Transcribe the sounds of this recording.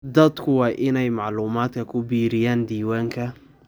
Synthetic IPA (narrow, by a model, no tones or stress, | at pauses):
d̪ɐd̪kʰʊwɑːʔɪnɛjmɑʕluːmaːd̪kʰɐkʰʊbiːɾɪjaːnd̪iːwaːŋkʰɐ